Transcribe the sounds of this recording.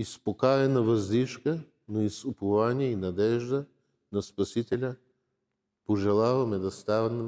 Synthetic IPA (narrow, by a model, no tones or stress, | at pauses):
ispokaɾɛnɐvɐzd̪iʃkə | noisupovaniɛinɐd̪ɛʒd̪ə | nɐspɐsit̪ɛlʲɐ | poʒɛlˠavɐmɛd̪ɐst̪avn